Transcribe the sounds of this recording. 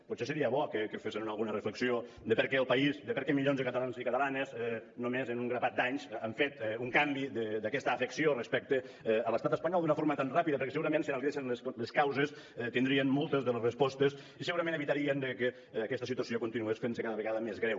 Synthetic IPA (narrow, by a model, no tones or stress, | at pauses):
put̪sesəɾiəβɔkəkəfesənunalˠɣunərəfləksio | d̪əpəɾkɛəlˠpɐizd̪əpəɾkɛmiʎonzðəkət̪alanzikɐt̪əlanəzɛnomezənuŋɡɾəβat̪̚d̪aɲzəɱfet̪uŋkambid̪əd̪akɛst̪əːfəksiorəspɛk̚t̪əələst̪at̪əspaɲɔlˠd̪unəfoɾmət̪anrapiðəpəɾkɛsəɣuɾɐmẽnsinaliθesənləsləskawzəs | ɛt̪ind̪ɾiənmolˠt̪əzðələzrəspɔst̪əs | isəɣuɾɐmẽnəβit̪aɾiənd̪əkəː | kɛst̪əsit̪uəsiokunt̪inuesfensəkaðəβəɣaðəmezɣɾɛw